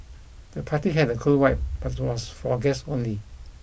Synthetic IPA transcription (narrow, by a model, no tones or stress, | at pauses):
d̥əpʰatiɦɛdəkʰulwaɪp̚b̥atɪt̚wɔsfɔɡɛsõnli